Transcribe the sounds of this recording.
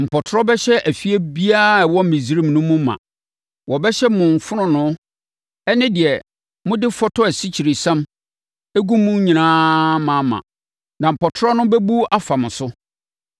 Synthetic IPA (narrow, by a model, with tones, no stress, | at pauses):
m̩˨pʰɔ˨tʰɾɔ˦bɛ˦ɕɛ˦ʔæ˨fi˦e˦bi˦a˦˨wɔ̃˦m̩˨mĩ˨zi˦ɾĩ˦˨mnʊ̃˦mʊ̃˦mã̰˨ | wɔ˨bɛ˦ɕɛ˦mʊ̃˨ɱ˨fʊ˦nʊ̃˦nʊ̃˦ | nɪ̃˦dɪ˨ɛ˨ | mʊ̃˦dɪ˦fɔ˦tʰɔ˦æ˨si˦t͡ɕʰi˨ɾi˨sã˦m | æ˦ɡu˦mũ˦ɲĩ˨nãː˦mã˨˦mã̰˨ | nã˨m̩˨pɔ˨tʰɾɔ˦nʊ̃˦bɛ˦bu˦a˦fa˨m̃˨sʊ˦